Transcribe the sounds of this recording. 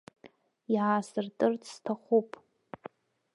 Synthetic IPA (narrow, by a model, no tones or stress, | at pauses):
jaasɨrtʼɨrtʰʼstʰaχʷupʼ